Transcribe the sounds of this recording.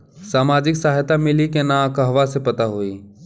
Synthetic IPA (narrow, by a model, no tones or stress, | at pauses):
saːmaːd͡ʒɪksaːɦjt̪amɪlikenãkəɦʋasepɐt̪aɦoiː